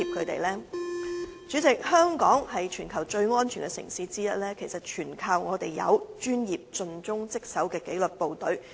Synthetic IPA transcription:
i˨p̚kʰɵ˨˧ɥt̪ḛ˨˩jlɛː˥ | t͡ʃyː˨˥t͡sɪ˨k̚hœː˥ŋkɔː˨˥ŋhɐ˨jt͡ʃʰyː˨˩nkʰɐ˨˩wt͡ʃɵ˧ɥŋɔː˥nt͡ʃʰy˨˩nkʲɛ˧sɪ̰˨˩ŋsiː˨˧˥t͡siː˥jɐ˥t̚lɛː˥kʰe˨˩jsɐ˨t̚t͡ʃʰyː˨˩nkʰaː˧wŋɔː˨˧t̪e˨jjɐ̰˨˧wt͡ʃyː˥njiː˨p̚t͡sɵ˧nt͡sʊ˥ŋt͡sɪ˥k̚sɐ˨˥wkɛː˧ke˨˥jlɵ˨t̚po˨wt̪ɵ˨˥ɥ

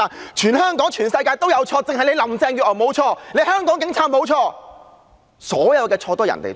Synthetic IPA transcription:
aː˨˩nt͡ʃʰyː˨˩nhœː˥ŋkɔː˨˥ŋt͡ʃʰyː˨˩nsɐ˧jkaː˧jt̪o˥wjɐ˨˧wt͡ʃʰɔː˧t͡sɪ˧ŋhɐ˨jle˨˧jlɐ˨mt͡sɛː˧ŋjy˨ɔː˨˩mo˨˧wt͡ʃʰɔː˧ne˨˧˥hœː˥ŋkɔː˨˥ŋk̬ɪ˨˥ŋt͡sʰaː˧t̚mo˨˧wt͡ʃʰɔː˧ | sɔː˨˥jɐ˨˧wkɛː˧t͡ʃʰɔː˧t̪ɔː˥jɐ̰˨˩nt̪ḛ˨˩

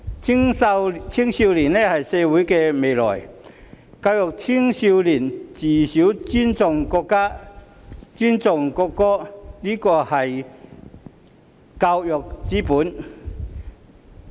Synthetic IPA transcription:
ŋ˧t͡sʰi˥ŋsi˧wliː˨˩nɛ˦˥hɐ˨jsɛː˧wuː˨˥jkɛː˧me˨jlɔ̰ː˨˩j | ka˧wjɔ˨˩k̚t͡sʰi˥ŋsi˧wliː˨˩nt͡siː˨˩siː˨˥wt͡sy˥nt͡sʊ˨ŋkɔː˧kːaː˥ | t͡sy˥nt͡sʊ˨˩ŋkɔː˧kːɔː˥liː˥kɔː˧hɐ˨j | ka˧wjɔ˨k̚t͡siː˨˥puː˨˥n

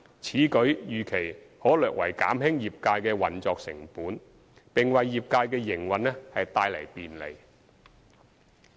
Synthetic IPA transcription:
t͡sʰiː˨˥kɵ˨˥ɥjyː˨kʰe˨˩j | hɔː˨˥lœː˨k̚wʔɐ̰˨˩jka̰ː˨˥mɦɪ˥ŋjiː˨p̚kaː˧jkɛː˧wɐ˨˩nt͡sɔː˨k̚sɪ̰˨˩ŋpuː˨˥n | pɪ˨ŋwɐ˨jːiː˨p̚kaː˧jkɛː˧jɪ˨˩ŋwɐ˨nlɛ˥hɐ˨jt̪aː˧jlɐ̰˨˩jpiː˨nlḛ˨˩j

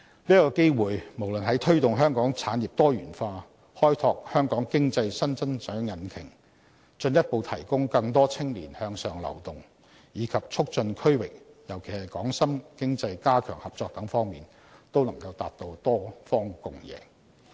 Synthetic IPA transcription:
liː˥kɔː˧ke˥jwuː˨jmo˨˩wlɵ˨nɦɐ˨˥jt̪ʰɵ˥ɥt̪ʊ˨ŋɦœː˥ŋkɔː˨˥ŋt͡sʰaː˨˥nji˨p̚t̪ɔː˥jyː˨˩nfaː˧ | hɔː˥jt̪ʰɔː˧k̚hœː˥ŋkɔː˨˥ŋkɪ˥ŋt͡sɐ˧jsɐ˥nt͡sɐ˥nt͡ʃœː˨˥ŋjɐ˨˥nkʰɪ˨˩ŋ | t͡ʃɵ˧njɐ˥t̚po˧wt̪ʰɐ̰˨˩jkʊ˥ŋkɐ˧ŋt̪ɔː˥t͡sʰɪ˥ŋlḭː˨˩nhœː˧ŋsœː˨ŋlɐ̰˨˩wt̪ʊ˨ŋ | jiː˨˧˥kʰɐ˨p̚t͡ʃʰʊ˥k̚t͡ʃɵ˧nkʰɵ˥ɥwɪ˨k̚ | jɐ˨˩wkʰe˨˩jhɐ˨jkɔː˨˥ŋsɐ˥mkɪ˥ŋt͡sɐ˧jkaː˥kʰœ̰ː˨˩ŋhɐ˨p̚t͡sɔː˧k̚t̪ɐ˨˥ŋfɔː˥ŋmiː˨n | t̪o˥wlɐ˨˩ŋkɐ˧wt̪a̰ː˧t̚t̪o˧wt̪ɔː˥fɔː˥ŋkʊ˨˧ŋjɛ̰ː˨˧

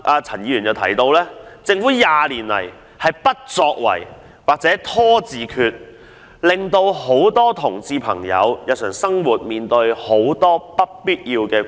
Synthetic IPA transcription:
ʔaː˧t͡sʰɐ˨˩njiː˨˧jyː˨˩njɐ˨˧wt̪ʰɐ˨˩jt̪o˧wlɛː˥t͡sɪ˧ŋfu˨˥jaː˨liː˨˩nlɐ̰˨˩j | hɐ˨jpɐ˥t̚t͡sɔː˧k̚wɐ̰˨˩j | waː˨k̚t͡sɛː˨˥t̪ʰɔː˥t͡siː˨kʰyː˧t̚ | lɪ˨ŋt̪o˧who˨˥wt̪ɔː˥t̪ʰʊ˨˩ŋt͡siː˧pʰɐ̰˨˩ŋjɐ̰˨˧wjɐ˨˧w̚sʰœː˨˩ŋsɐ˥ŋwuː˨t̚miː˨nt̪ɵ˧ɥho˨˥wt̪ɔː˥pɐ˥t̚piː˥t̚jiː˧wkɛː˧

